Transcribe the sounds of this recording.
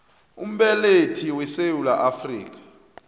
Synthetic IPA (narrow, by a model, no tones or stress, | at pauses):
ṵm̩ɓɛletʰiwɛsewulaʔafrḭːk̬ḁ